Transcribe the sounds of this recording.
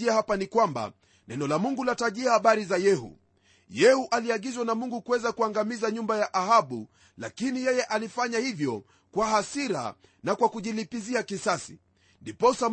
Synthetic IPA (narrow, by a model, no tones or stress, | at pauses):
iahapanikwamba̰ | nɛnɔlamuŋɡulataʄiahaɓaɾizajɛhṵ | jɛhuʔaliaɠizwanamuŋɡukuwɛzakuaŋɡamizaɲumbajaʔahaɓṵ | la̰kinijɛjɛʔalifaɲahivjɔ | kwaɦasiɾa̰ | nakwakuʄilipiziakisasḭ | ndipɔsam